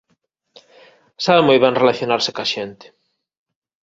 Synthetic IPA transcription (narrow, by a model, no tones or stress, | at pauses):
saβemojβeŋrelaθjonaɾsɪ̥kaʃent̪ɪ̥